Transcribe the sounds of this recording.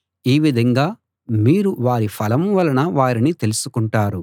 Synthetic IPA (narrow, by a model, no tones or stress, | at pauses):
iːʋid̪ʱɐŋɡaː | miːɾuʋaːɾipʰɐlɐmʋɐlɐnɐʋaːɾinit̪e̞lusukuɳʈaːɾu